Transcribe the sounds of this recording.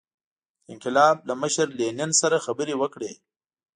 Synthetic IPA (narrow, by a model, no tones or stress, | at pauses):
ɪnqɪlɑːb̚laməʃəɾlenɪnsaɾaxabəɾewəkɽeː